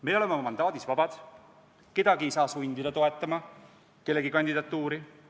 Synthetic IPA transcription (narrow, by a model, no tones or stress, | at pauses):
me̞llemmɑmɑnd̪ɑːd̪̥isvɑb̥ɑd̪̥ | ke̞d̪̥ɑɡiejsɑːsuind̪id̪̥ɑt̪o̞e̞t̪ːˑɑmɑ | ke̞lːe̞ɡikɑnʲd̪id̪ɑt̪ːˑuːɾi